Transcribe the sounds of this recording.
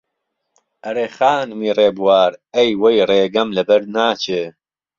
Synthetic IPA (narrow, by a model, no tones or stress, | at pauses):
ɐɾeːxaːnmiːreːbuwaːɾejwejreːɡɐmlɐbɐɾnaːt͡ʃʰeː